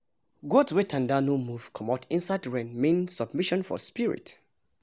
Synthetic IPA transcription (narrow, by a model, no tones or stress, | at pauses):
ɡɔdwetʰãndanomuv̥kʰɔmatĩnsaɪdɹɛ̃nmĩnsɔbmiʃɔ̃nfɔ̰spiɹḭt